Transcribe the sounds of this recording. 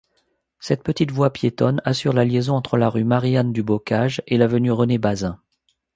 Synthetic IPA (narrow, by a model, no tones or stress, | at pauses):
sɛt̪̚pət̪it̪vwapjet̪ɔnasyʁlaljezɔ̃ɑ̃t̪χəlaʁymaʁjand̪ybɔkaʒelavənyʁənebazɛ̃